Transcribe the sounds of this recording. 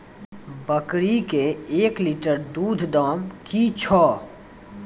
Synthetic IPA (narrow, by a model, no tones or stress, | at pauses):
bəkɾikeeːkliʈəɾd̪uːd̪ʱd̪ɔːmkit͡ʃʰɔː